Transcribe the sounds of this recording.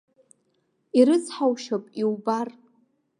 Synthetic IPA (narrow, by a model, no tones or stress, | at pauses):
iɾɨt͡sʰħawʃapʼiwbar